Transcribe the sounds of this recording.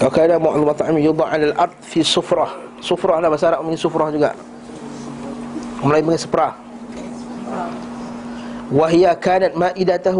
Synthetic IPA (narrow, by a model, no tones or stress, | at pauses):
wakaːnamʊʔðumɑt̪ˤʕamjud̪ˤɑʕalalʔɑɾˤd̪̚ˤfisʊfɾˤɑh | sʊfɾˤɑhlahbasaɾaʔominisʊfɾɑhd͡ʒuɡa̰ʔ | ɔmlajməŋasə̥pəɾa | waɦijakaːnat̪̚maːʔid̪at̪ah